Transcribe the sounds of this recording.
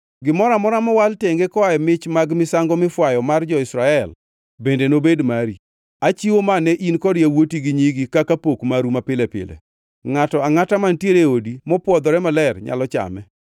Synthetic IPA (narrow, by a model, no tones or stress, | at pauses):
ɡɪmɔɾamɔɾamɔwalteŋɡekɔajɔmɪt͡ʃmaɡmɪsaŋɡɔmɪfwajɔmard͡ʒɔɪsɾaɛl | bendenobedmaɾi | at͡ʃiwomanɛʔinkɔɾjawotiɡɪɲiɡikakapokmaɾumapɪlɛpɪ̰lɛ̰ | ŋatɔaŋatamantjeɾeodimɔpwɔd̪ɔɾɛmalɛrɲa̰lɔt͡ʃa̰mɛ̰